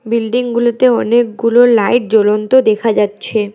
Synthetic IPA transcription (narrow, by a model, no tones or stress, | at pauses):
bilɖiŋɡulot̪eɔnek̚ɡulolajʈ̚d͡ʑolont̪od̪ekʰad͡ʑatːɕʰe